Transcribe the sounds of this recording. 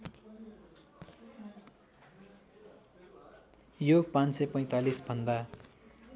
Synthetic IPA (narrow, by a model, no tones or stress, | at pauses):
joɡpãnsepʌj̃t̪alisbʱʌnd̪a